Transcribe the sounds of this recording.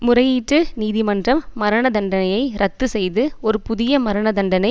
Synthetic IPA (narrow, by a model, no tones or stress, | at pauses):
mʊrɐjiːʈrɯniːðɪmɐndrɐmːɐɾɐɳɐðɐɳɖɐnɐjɐɪɾʔɐt̪ːɯsɛjðɯɔɾɯpʊðɪjɐmɐɾɐɳɐðɐɳɖɐnɐɪ